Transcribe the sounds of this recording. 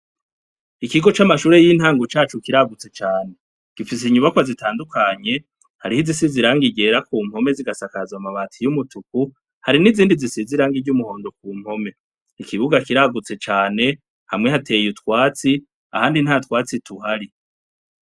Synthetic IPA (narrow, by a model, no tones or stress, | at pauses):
ikiɡo̞t͡ʃamaʃuːɾe̞jiːn̥haːŋɡot͡ʃaːt͡ʃukiɾaɡut͡se̞t͡ʃaːne̞ | ɡ̥ifis̬iɲuβakwazitaːndukʰaɲe̞ | haɾihizisiziɾaŋɡiɟe̞ːɾakuːm̥ho̞me̞ziɡasakazwamaβaːtʰijumutʰuku | haɾiniziːndizisiziɾaːŋɡiɟumuho̞ːndo̞kuːm̥ho̞me̞ | ikʰiβuɡakiɾaɡut͡se̞t͡ʃaːne̞ | hamŋe̞hatʰe̞jutkwaːt͡si | a̰haːndin̥hatwaːt͡situɦaɾi